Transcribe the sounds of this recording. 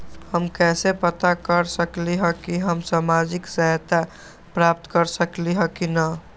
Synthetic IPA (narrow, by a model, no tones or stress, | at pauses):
həmkɛsepət̪akəɾsəkliɦəkiɦəmsamad͡ʒiksajt̪a | pɾap̚t̪kəɾsəkliɦəkinə